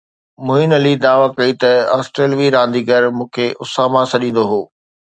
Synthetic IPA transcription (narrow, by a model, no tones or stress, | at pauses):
mʊɦɪnɐlid̪aːʋakɐit̪ɐaːsʈɾeːlʋiɾãːnd̪iːɡɐɾmũːkʰeʔʊsaːmãsɐɗĩːnd̪oɦoː